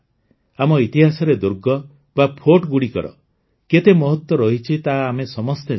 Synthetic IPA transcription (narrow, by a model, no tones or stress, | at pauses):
amɔit̪iɦasɔɾed̪uɾɡʱɔ | bapʰoʈɡuɽikɔ̰ɾɔ̰ | ket̪emɔɦɔt̪wɔɾɔɦit͡ʃʰit̪aːmesɔmɔst̪e